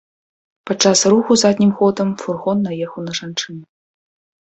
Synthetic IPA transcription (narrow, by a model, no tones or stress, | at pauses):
pɐt̚t͡ʂːasruxuzad̪ʲnʲimxɔd̪əmfurɣɔnːajɛxɐwnɐʐant͡ʂɨnɛ